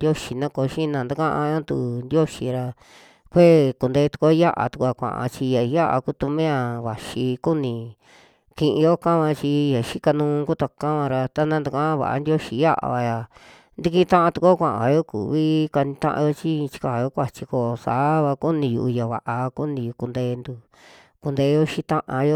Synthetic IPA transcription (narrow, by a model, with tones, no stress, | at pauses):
jo˦ʃi˧nã˦ko˧˦ʃĩ˦nã˨nd̪a˦kã˦ʔã˧a˦t̪u˧˨nd̪jo˦ʃi˧ɾa˧ | kʷe˦ku˧nd̪e˧˦t̪u̥˧ko˦ja˦ʔa̰˨t̪u˧ku˧a˧kʷã̰˨ʔã̰˧t͡ʃi˧ja˨˧ja˦ʔa̰˧ku˦˧t̪u˧mẽ˦a˧βa˨ʃi˧ku˦nĩ˧˨ | kĩ˧ʔĩ˧jo˦kã˦βã˧t͡ʃi˧ja˨ʃi˦ka˧nũː˧ku˦t̪a˧kã˦βã˧ɾa˧t̪a˦nã˧nd̪u˨˧kã˦βa̰˨ʔa̰˧nd̪jo˦ʃi˧ja˦ʔa̰˨˧βa˧ja˨ | nd̪i˧kĩ˦˧t̪ã˦ʔã˧t̪u˧ko˦kʷã˧˨ʔa̰˨βa˨jo˦kṵ˨βi˦ka˧nĩ˧t̪ã̰˦ʔã̰˧jo˦t͡ʃi˦˧t͡ʃi̥˦ka˨jo˦kʷa˧t͡ʃi˧ko˧˨˧saː˨˦βa˧ku˦nĩ˧jṵ˧ʔu˧ja˨βa˨ʔa˧ku˦nĩ˧ju˧ku˧nd̪eː˧nd̪u˧ | ku˧nd̪e˧˦jo˦ʃĩ˦t̪ã˦ʔã˧jo˦